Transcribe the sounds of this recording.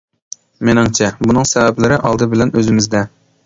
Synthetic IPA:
menɪŋt͡ʃʰɛbunɨŋsɛvɛplɪɾɪʔɑlˠd̪ɨbɪlɛnøzɪmɪzd̪ɛ

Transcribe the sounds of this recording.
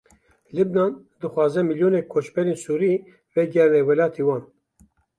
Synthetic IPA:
lɨbnɑːn | d̪ɨxʷwɑːzɛmiljoːnɛkʰoːt͡ʃbɛɾeːnsuːɾi | vɛɡɛɾlɛwɛlɑːt̪ʰewɑːn

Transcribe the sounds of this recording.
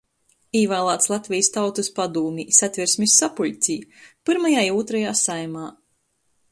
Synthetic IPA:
iːvaːlˠaːt̪slˠat̪ʲvʲijst̪awt̪uspad̪uːmʲisat̪ʲvʲiɾsʲmisːapuʎʲt̪sʲiːpɨɾmajaːiuɔt̪ɾajaːsajmaː

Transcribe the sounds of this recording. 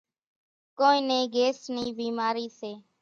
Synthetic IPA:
koːĩːnẽːɡeːsnĩːbiːmaːɾiːseː

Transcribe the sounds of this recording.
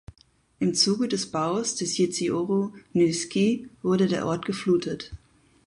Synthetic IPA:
ʔɪmt͡suːɡədɛsb̥aʊsd̥ɛsjet͡sioʁonyskivʊɐɾədeːɐʔɔɐt̚ɡ̥əfluːtʰət

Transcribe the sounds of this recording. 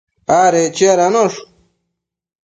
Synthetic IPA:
aːɾet͡ɕeɾanoʂ

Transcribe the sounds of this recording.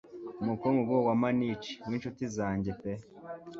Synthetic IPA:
mukoŋɡuɡowamanit͡ʃi̥winʃutizaːɲɟepe

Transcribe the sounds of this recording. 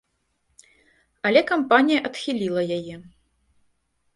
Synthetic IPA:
ɐlʲɛkampanʲijɐʔɐt̪xʲilʲilˠɐjajɛ

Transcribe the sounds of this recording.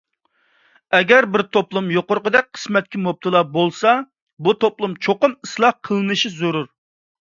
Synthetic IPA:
ɛɡʲɛɾbɪɾt̪ʰoplˠumjoqʊɾqəd̪ɛk̚ʲqʰə̥smɛt̪̚kʲimop̚t̪ʰɨlˠɑbolˠsɑ | but̪ʰoplˠumt͡ʃʰoqʊmɨslˠɑqʰəlˠɨnɨʃizuɾuɾ

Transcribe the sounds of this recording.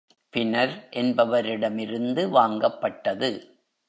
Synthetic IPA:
pɪnɐɾʔɛnbɐʋɐɾɪɽɐmɪɾɯnd̪ɯʋaːŋɡɐpːɐʈːɐðɯ

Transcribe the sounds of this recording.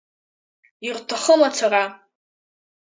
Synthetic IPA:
irtʰaχəmat͡sʷʰara

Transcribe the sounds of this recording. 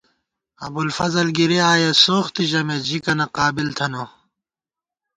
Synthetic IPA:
ɐ̰bulfɐzɐlɡiɾiaːjɐsoːxt̪iʑɐmed͡ʑikɐnɐqaːbilt̪ʰɐno

